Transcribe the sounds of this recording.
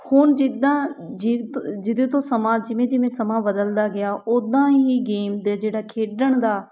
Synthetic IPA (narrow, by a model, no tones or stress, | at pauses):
hʊːnd͡ʒɪd̪ãː | d͡ʒɪd͡ʒɪd̪et̪õːsəmãːd͡ʒɪʋẽːd͡ʒɪʋẽːsəmaːbəd̪əld̪aːɡɪjaːʔoːd̪ãːɦiːɡeːmd̪eːd͡ʒeːɽaːkʰeːɖəɳd̪aː